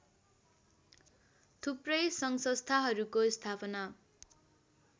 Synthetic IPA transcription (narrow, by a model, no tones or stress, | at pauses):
t̪ʰuprʌjsʌŋsʌst̪ʰaɦʌɾukost̪ʰapʌna